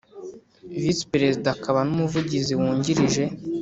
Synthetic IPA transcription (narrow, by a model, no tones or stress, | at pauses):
vispɾe̞zidakʰaβanumuvuɟiziwuːɲɟiɾiʒe̞